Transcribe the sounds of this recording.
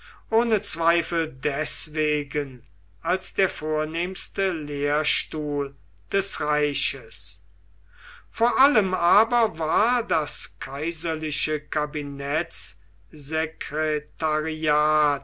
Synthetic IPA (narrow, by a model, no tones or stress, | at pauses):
ʔoːnət͡sv̥aɪfəldɛsv̥eːɡən | ʔalsd̥̪eːɐfoːɐneːmstəleːɐʃtuːl | d̥ɛsʁaɪʃəs | foːɐʔaləmaːbɐvaːɐdaskʰaɪzɐlɪʃəkabinɛs | zekʁɛtaʁiaːt̚